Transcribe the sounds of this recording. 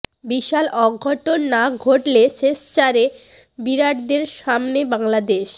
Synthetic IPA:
biʃalɔɡʱːɔʈonːaɡʱoʈleʃest͡ɕaɾe | biɾaʈd̪eɾʃamnebaŋlad̪eʃ

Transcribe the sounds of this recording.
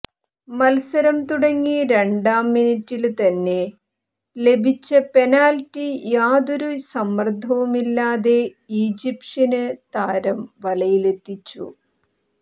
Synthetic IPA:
mɐlsɐɾɐmt̪uɽɐŋːiɾe̞ɳɖaːmːinitːilt̪ɐnːe̞ | le̞bʱit͡ɕːɐpe̞naːltːijaːðoɾusɐmːɐrd̪ʱːɐʋumilːaːðe̞ | iːd͡ʑipʂinɨt̪aːɾɐmʋɐlɐjile̞t̪ːit͡ɕːṵ

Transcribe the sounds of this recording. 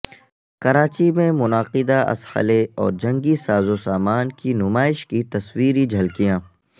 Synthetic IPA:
kɐɾaːt͡ʃimẽmʊnaːqɪd̪aʔɐ̰shə̰leɔ̰ːɾd͡ʒɐ̃ŋɡisaːzosaːmaːnkinʊmaːɪʃkit̪ɐswiːɾid͡ʒʱɐlkijãː

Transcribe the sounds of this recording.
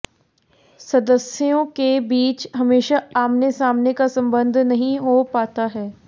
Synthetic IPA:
sɐd̪əsijõkebiːt͡ʃɦɐmeːʃaaːmnesaːmnekasɐ̃mbə̃nd̪ʱnɐɦĩɦopaːt̪aɦɛː

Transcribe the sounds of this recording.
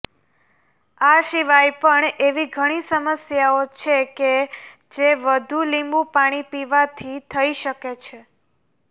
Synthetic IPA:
aʃiʋajpəɳeʋiɡʱəɽ̃isəməsjaot͡ʃʰeke | d͡ʒeʋəd̪ʱulĩmbũpaɽ̃ipiʋat̪ʰit̪ʰəiʃəket͡ʃʰe

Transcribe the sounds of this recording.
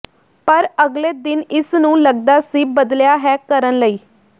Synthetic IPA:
pəɾəɡleːd̪ɪnɪsnũːləɡ̚d̪aːsiːbəd̪ljaːɦɛːkəɾənləiː

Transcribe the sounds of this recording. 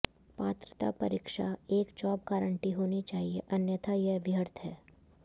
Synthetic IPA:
paːt̪ɾə̥t̪a̰pɐ̰ɾiːkʃaeːkd͡ʒɔːb̚kaːɾəɳʈiɦoːnit͡ʃaːɦieʔɐnjət̪ʰajeʋɪjəɾt̪ʰɦɛː

